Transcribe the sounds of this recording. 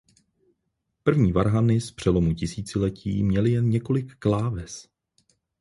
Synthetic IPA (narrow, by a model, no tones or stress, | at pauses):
pr̩vɲiːvaɾɦanɪspr̝̥ɛlomucɪsiːt͡sɪlɛciːmɲɛlɪjɛnɲɛko̞lɪkːlaːvɛs